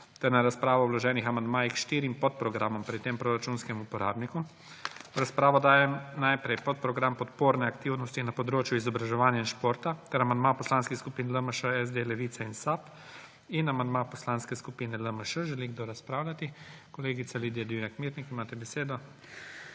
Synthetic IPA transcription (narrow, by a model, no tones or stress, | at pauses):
t̪ɛɾnaɾaspɾaːʋɔwlɔʒɛːnixamand̪maːjixʃt̪iːɾimpɔt̪̚pɾɔɡɾamɔmpɾit̪ːeːmpɾoːɾat͡ʃunskɛmupɔɾa̰ːbniku | ɾaspɾaːʋɔd̪aːjɛmnajpɾɛjpɔt̪̚pɾɔɡɾampɔt̪poːɾnɛakt̪iwnɔst̪inapɔd̪ɾoːt͡ʃjuizɔbɾaʒɛʋaːnjainʃpoːɾt̪at̪ɛɾamand̪̚mapɔslanskixskupiːnləməʃəɛzd̪elɛʋiːt̪sainsap | inamand̪mapɔslanskɛskupiːnɛləməʃəʒɛliɡd̪oɾaspɾaːwlʲat̪ikɔleːɡit̪saliːd̪jad̪iwnakmiːɾnikimaːt̪ɛbɛseːd̪ɔ